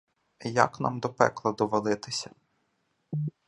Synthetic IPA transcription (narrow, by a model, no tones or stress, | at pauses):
jɐ̰kna̰md̪ɔpɛ̰klˠɐd̪ɔʋɔlˠɪt̪ɪsʲɐ̥